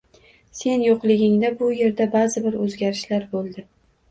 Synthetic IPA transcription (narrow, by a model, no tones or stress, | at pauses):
se̞njoqlˠɪɡʲɪŋd̪abʊje̞ɾd̪abazɪbɪɾɵzɡʲaɾɪʃlaɾbolˠd̪ɪ